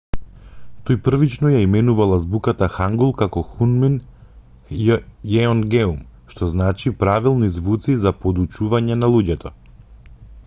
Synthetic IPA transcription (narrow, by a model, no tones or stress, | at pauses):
t̪ojpr̩vit͡ʃnɔjaimɛnuvalˠazbukat̪axaŋɡulˠkakɔxunmin | jɛɔnɡɛum | ʃt̪ɔznat͡ʃipɾavilˠnizvut̪sizapɔd̪ut͡ʃuvaɲɛnalˠuɟɛt̪ɔ